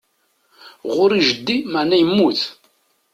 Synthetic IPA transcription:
ʁʊɾiʒəd̪ːimaʕnæjəmːuθ

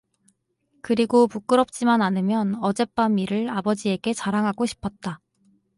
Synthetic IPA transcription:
kɯɾiɡopuk͈ɯɾʌp̚t͡ɕ͈imananɯmjʌnʌd͡ʑe̞p͈amiɾɯɭabʌd͡ʑie̞ɡe̞t͡ɕaɾaŋɦaɡoɕʰi̥pʰʌt̚t͈a

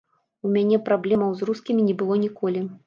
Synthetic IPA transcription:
umʲanʲɛpɾablʲɛmɐwzruskʲimʲinʲɛbɨlˠɔnʲikɔlʲi

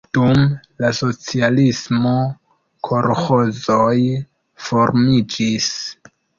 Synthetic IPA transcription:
d̥um | laso̞t͡sialismo̞ | kʰo̞ɾho̞zoj | fo̞ɾmid͡ʒis

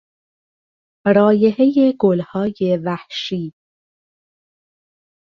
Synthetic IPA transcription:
ɾɒːjehejeɡolhɒːjevæhʃiː

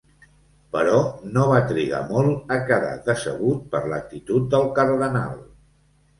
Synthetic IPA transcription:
pəɾɔnoβat̪ɾiɣa̰mɔlˠəkəða̰ðəsə̰ɣ̞ut̪̚pəɾlək̚t̪it̪ut̪̚d̪əlˠkəɾðəna̰lˠ

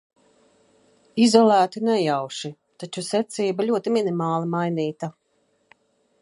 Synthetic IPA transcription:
izɔlˠæːt̪inɛjawʃi | t̪at͡ʃusɛt̪siːbalʲuɔt̪iminimaːlˠimajniːt̪a

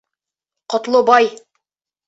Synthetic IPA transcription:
qŏt̪lˠɤbɑj

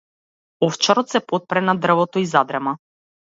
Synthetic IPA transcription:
ɔft͡ʃaɾɔt̪sɛpɔt̪̚pɾɛnad̪r̩vɔt̪ɔizad̪ɾɛma

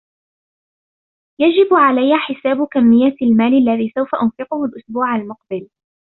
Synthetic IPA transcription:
jad͡ʒɪbʕalajːaħɪsaːbʊkamːɪjːalmaːlalːaðiːsawfaʔʊnfɪqʊhʊlʔʊsbuːʕalmʊq̚bɪl

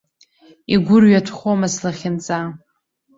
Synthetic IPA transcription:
iɡʷʊrɥatʰχʷomaslaχʲɪnt͡sʼa

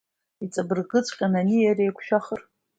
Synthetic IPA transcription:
it͡sʼabɨrɡɨt͡sʷʼqʲʼananijarejkʷʰʃᶣaχər

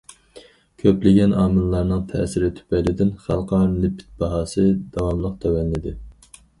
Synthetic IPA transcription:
kʲʰøplɪɡʲɛnʔɑːmɨlːˠɑɾnɨŋt̪ʰɛ̰sɪɾɪt̪ʰy̥pɛjlɪd̪ɪnχælˠqʰɑɾlɪpʰɪ̥t̪̚bɑɦɑːsɨd̪̥ɑwɑmlˠəq̚t̪ʰøwɛnːɪd̪ɪ

